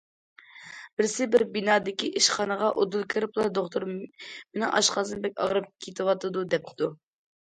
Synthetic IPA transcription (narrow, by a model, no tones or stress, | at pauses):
bɪɾsɪbɪɾbinɑːd̪ɪkʲiʔiʃχɑnəʁɑʔod̪ulˠkʲʰɨɾɨplˠɑɾd̪oχt̪ʰuɾmɪnɪŋʔɑ̰ʃqɑzɨnbɛk̚ʲɑ̰ʁɾɨp̚kʲʰet̪ʰɪwɑt̪ɨd̪ud̪ɛp̚d̪u